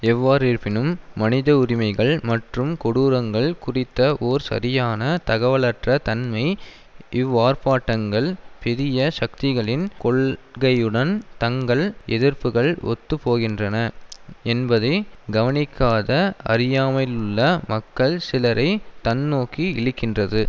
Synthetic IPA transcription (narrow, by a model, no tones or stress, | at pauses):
ɛʋːaːɾiːɾpɪnɯmːɐnɪðɐʊɾɪmɐɪɣɐɭmɐʈrɯmkɔɽuːɾɐŋɡɐɭkʊrɪt̪ːɐʔoːɾsɐ̰ɾɪjaːnɐt̪ɐɣɐʋɐlɐʈrɐt̪ɐnmɐɪ | ʔɪʋːaːrpaːʈːɐŋɡɐɭpɛɾɪjɐʂɐk̚t̪ɪɣɐɭɪnkɔɭɣɐjɯɽɐnt̪ɐŋɡɐɭʔɛ̰ðɪɾpɯɣɐɭʔɔ̰t̪ːɯpːoːɣɪndrɐnɐɛnbɐðɐɪɡɐʋɐnɪkːaːðɐɐ̰ɾɪjaːmɐlɯɭːɐmɐkːɐɭsɪlɐɾʔɐɪt̪ɐnːoːkiɪɻɯkːɪndrɐðɯ